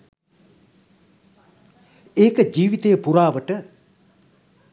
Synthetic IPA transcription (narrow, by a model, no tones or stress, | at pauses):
eːkəd͡ʒiːʋit̪ejəpuɾaːʋəʈə